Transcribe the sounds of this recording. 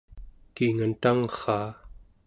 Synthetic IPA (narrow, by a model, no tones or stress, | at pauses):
kiŋant̪aŋχɑː